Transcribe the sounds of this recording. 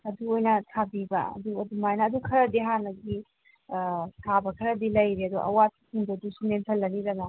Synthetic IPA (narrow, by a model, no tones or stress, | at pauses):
ɐduojnɐtʰabibɐ̰ɐ̰duɐdumajnɐːdukʰɐɾɐdiɦanɐɡi | tʰabɐkʰɐɾɐdilɐjɾeɐduʔɐ̰wat̚i̥sʰiŋbɐdusumentʰɐlːɐniɾɐnɐ